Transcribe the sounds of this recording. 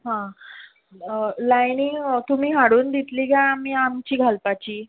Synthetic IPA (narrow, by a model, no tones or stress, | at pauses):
ɦã | lajniːt̪um̤iːɦaɽuːnd̪it̪liɡãamiːamt͡ɕiːɡʱalpat͡ɕiː